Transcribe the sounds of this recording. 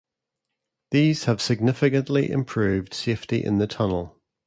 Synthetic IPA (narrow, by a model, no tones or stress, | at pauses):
ðiːz̥əv̥sɪɡ̚nɪfɪkə̃nʔlḭʔɪ̰̃mpʰɹ̥ʉːvd̥seɪftiʔɪ̰̃nðətʰʌnəlˠ